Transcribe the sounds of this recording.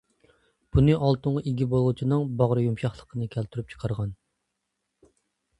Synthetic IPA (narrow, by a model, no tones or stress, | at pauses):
b̥unɨʔɑlˠt̪ɨɴeɡʲibolˠut͡ʃʰinɨŋbɑʁɾɨjumʃɑχlˠəqʰənɨkʲʰælt̪ʰyɾyp̚t͡ʃʰqʰɑɾʁɑn